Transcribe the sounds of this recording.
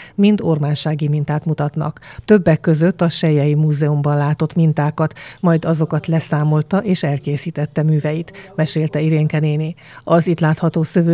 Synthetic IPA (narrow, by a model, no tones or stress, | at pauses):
mint̪o̞rmaːnʃaːɡimint̪aːt̪mut̪ɒt̪nɒ̰kt̪ø̞bːɛkːø̞zø̞t̪ːɒʃɛjɛjimuːzɛumbɒnlaːt̪o̞t̪mint̪aːkɒt̪mɒjd̪ɒzo̞kɒt̪lɛsaːmo̞lt̪ɒʔeːʃɛlkeːsiːt̪ɛt̪ːɛmyːvɛjit̪mɛʃeːlt̪ɛiɾeːŋkɛneːni | ɒzit̪laːt̪hɒt̪oːsøvøː